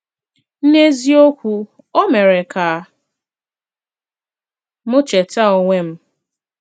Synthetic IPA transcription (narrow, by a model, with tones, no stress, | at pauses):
n̩˦ne˦zi˦o˦kʷu˦ | o˦me˨ɾe˨kʰa˨˦ | mʊ˦t͡ʃe˨ta˦o˨ŋʷe˦m̩˦